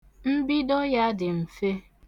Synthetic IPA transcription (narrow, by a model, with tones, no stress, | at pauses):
m̩˦bi˦dɔ˦ja˦dɪ˨m̩˨fe˦